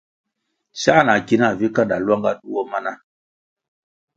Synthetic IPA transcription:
sa˦˨na˨ki˦na˦˨vi˦ka˦nda˨lwa˦ŋɡa˦ɗu˦wo˦ma˦na˦

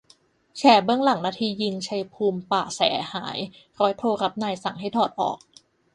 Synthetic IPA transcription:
t͡ɕʰɛː˧˩bɯ˥˩əŋla˩˦ŋnaː˧t̪ʰiː˧ji˧ŋt͡ɕʰa˧jpʰuː˧mpaː˨˩sɛ̰ː˩˦haː˩˦j | ɾɔː˦˥jt̪ʰoː˧ɾa˦˥p̚naː˧jsa˨˩˦ŋɦa˥˩jt̪ʰɔː˨˩t̪̚ʔɔ̰ː˨˩k̚

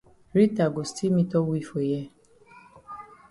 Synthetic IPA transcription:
ɾi˦ta˨ɡo˨sti˦mĩ˧tɔ˦wi˧˨fo˨jɛ˧˦

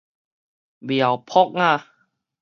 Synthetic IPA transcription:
bi˨˩a˨˩wpʰɔ˦˥k̚ŋa˥˧˨

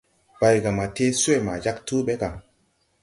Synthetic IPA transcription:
ba˧jɡa˨ma˨te˦swe˦˨ma˨d͡ʒa˦ktu˦ɓe˦ɡa˨

